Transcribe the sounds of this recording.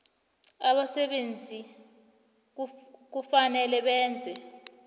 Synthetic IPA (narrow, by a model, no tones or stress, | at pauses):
aɓasɛɓend͡zʱi | k̬ufanɛlɛɓɛːnd͡zʱɛ